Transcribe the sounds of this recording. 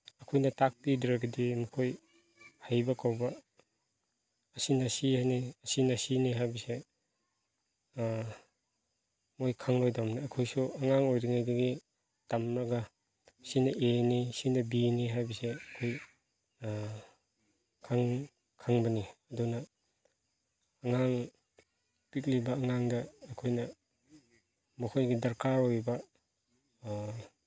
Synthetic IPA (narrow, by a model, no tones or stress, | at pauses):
ɐkʰojnɐtak̚pidɾaɡɐdimukʰoj | hajbakʰawbɐ | sinɐsihajniɐsinɐsiniɦajbise | mojkʰaŋlojdamniɐkʰojsuɐŋaŋojɾiŋajdɐɡi | tamɾaɡa | sinɐʔenisinɐbiniɦajbɐseɐkʰoj | kʰaŋ | kʰaŋbɐniɐdunɐ | ŋaŋ | pik̚libɐːŋaŋdɐːkʰojnɐ | mɐkʰojɡidɐɾkʰaojbɐ